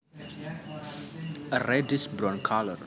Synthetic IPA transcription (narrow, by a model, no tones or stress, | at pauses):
ərɛdisbɾɔ̃nkʰalər